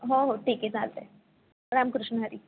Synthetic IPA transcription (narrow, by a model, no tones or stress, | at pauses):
ɦoɦoʈʰiːket͡saːlt̪e | ɾaːmkɾɪʃnəɦəɾi